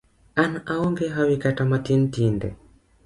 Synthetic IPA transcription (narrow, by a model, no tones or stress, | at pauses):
anaaɔŋɡɛɦawikatamatintindɛ̰